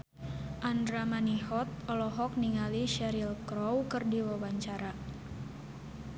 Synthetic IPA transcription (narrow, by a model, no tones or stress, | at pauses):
ʔandɾamaniɦɔt̪̚ɔlɔɦɔk̚niŋaliʃɛɾilkɾɔwkɨrdiwawaɲt͡ʃaɾa